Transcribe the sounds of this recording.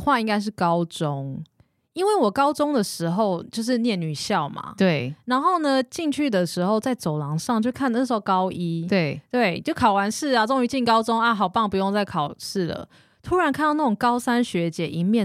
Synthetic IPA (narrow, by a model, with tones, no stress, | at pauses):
xwa˥˧i˥ŋka˥ɪʂ̬ɻ̩˥˩kɑ˦˥ʊt͡so˦ŋ | i˥nwe˥˩ɪwɔ˨˩kɑ˥ʊt͡sʊ˥ŋd̪ə˨ʂɻ̩˧˥xo˥˧ʊt͡ɕjo˥˧ʊʂ̬ɻ̩˥˧njɛ˥˩nny˨˩ɕjɑ˥˨˩ʊma̰˩t̪we˥˩ɪna˧˥nxo˥˩ʊnə˧t͡ɕi˥˧ŋt͡ɕʰy˥˩d̪ə˩ʂɻ̩˧˥xo˥˧ʊt͡sa˥˩ɪt͡so˨˩ʊlɑ˧˥˦ŋʂɑ˥˧ŋt͡ɕjo˥˧ʊkʰa˥˩˧n˥˩ʂ̩˧˥xo˥˧kɑ˥ʊʔi˥t̪we˥˩t̪we˥˩ɪt͡ɕjo˥˩ʊkʰɑ˨˩ʊwa˧˦˥nʂɻ̩˥˩a˨t͡so˥ŋy˧˥t͡ɕi˥˩nkɑ˥ʊt͡so˥ŋa˥˧˩ɦɑ˨˩ʊpɑ˥˩ŋpu˧˥jo˥˧ŋt͡sa˥˩ɪkʰɑ˨˩ʊʂɻ̩˥˩lə̰˩ | t̪ʰu˥ɻa˨˧˦nkʰnd̪ɑ˥˧na˥˩ʈ͡ʂo˨˩ŋkɑ˥ʊsa˥nɕɥɛ˧˥t͡ɕjɛ˧˥˦ʔi˧˥nmjɛ˥˨